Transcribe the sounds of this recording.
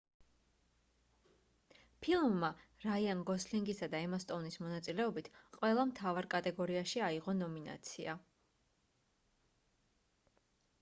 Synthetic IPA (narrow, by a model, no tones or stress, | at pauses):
pʰilˠmːaɾaianɡɔsliŋɡisad̪aɛmast̪ʼɔvnismɔnat̪sʼilɛɔbit̪ʰqʼwɛlˠamt̪ʰavaɾkʼat̪ʼɛɡɔɾiaʃiaiʁɔnɔmina̰t̪sʰia